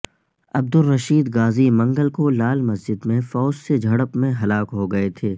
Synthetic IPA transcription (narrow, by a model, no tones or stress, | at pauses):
ɐb̚d̪ʊlːɐʃiːd̪ɡaːzimɐ̃ŋɡəlkolaːlmɐsd͡ʒɪd̪mẽfɔːd͡ʒsed͡ʒʱɐɽəpmẽɦɐlaːkɦoɡɐet̪ʰeː